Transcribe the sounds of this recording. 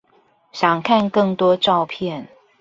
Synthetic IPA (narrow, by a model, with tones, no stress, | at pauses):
ɕjɑ˨˩ŋkʰa˥˧nkɤ˥˩ŋt̪wɔ˥ʈ͡ʂɑ˥˧ʊpʰjɛ˥˩n